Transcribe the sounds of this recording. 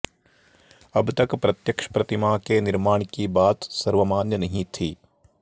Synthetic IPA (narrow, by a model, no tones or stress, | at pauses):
ɐbʱt̪ɐkpɾɐt̪jɐkʂɐ̥pɾɐt̪imaːkeːniɾmaːɳikiːbaːt̪sɐɾʋɐmaːnjɐnɐɦiːt̪ʰi